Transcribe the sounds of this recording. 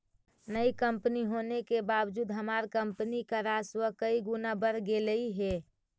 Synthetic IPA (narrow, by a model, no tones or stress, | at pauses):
nəikəmpəniɦonekebabd͡ʒuːd̪ɦəmaɾkəmpnikəɾaswəkəiɡunabəɾɡeləiɦe